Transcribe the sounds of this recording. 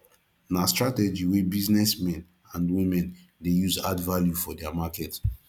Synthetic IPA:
nastɹatɛd͡ʒiwibiznɛsmɛ̃n | ãndwĩmɛ̃n | dejuzadvaljufɔdɛamakɛt

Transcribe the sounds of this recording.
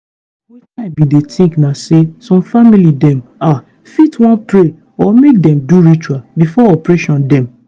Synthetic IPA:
wɛaɪbidetĩknasesɔ̃mfamilidɛ̃ma | fitwɔ̃npɹe | ɔmek̚dɛ̃mduɹit͡ʃuwalbifɔɔpɹeʃɔ̃ndɛ̃m

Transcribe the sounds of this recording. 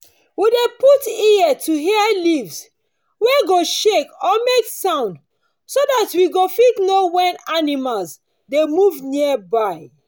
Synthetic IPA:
wideputiɛtʰuɦɛɛlivs | weɡoʃekɔmeksãʊ̃nd | sodatwiɡofitnowɛ̃nanimals | demuvniɛbaɪ

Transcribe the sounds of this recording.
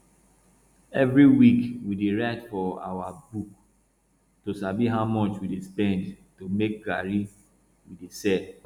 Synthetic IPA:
ɛvɹiwikwideɹaɪtfɔa̰wabuk | tosabiɦaʊmɔt͡ʃwidespɛ̃ndtumek̚ɡaɹi | widesɛ

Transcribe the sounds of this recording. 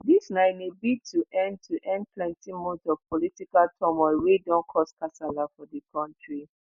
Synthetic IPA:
disnãɪnebitʰuʔɛ̃nd̚tʰuʔɛ̃nd̚pʰlɛ̃ntĩmotɔv̥pɔlitikaltʰɔmɔwedɔ̃nkʰɔskasalafɔdəkʰɔ̃ntɹi

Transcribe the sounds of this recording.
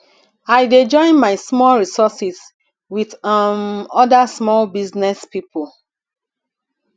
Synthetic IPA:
aɪded͡ʒɔ̃ɪ̃nmaɪsmɔlɹisɔsis | widmɔdasmɔlbiznɛspipul

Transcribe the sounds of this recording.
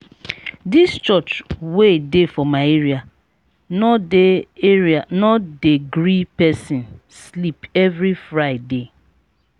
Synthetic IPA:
dist͡ʃɔt͡ʃwedefɔmaɪeɹia | nɔdeeɹianɔdeɡɾipɛsĩn | slipɛvɾifɹaɪde

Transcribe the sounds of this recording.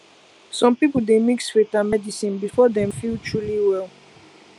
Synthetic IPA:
sɔ̃mpipəl̩demikswetãmɛdisĩnbifɔdɛ̃mfiltʰɹuliwɛl

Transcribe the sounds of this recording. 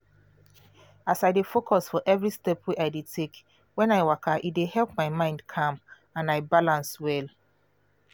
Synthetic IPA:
asaɪdefokʰɔsfɔʔɛvɹistɛpʰweʔaɪdetʰek | wɛ̃naɪwakʰaʔit̚dehɛlp̚maɪmãɪ̃ndkʰãm | ãnaɪbalãnswɛl

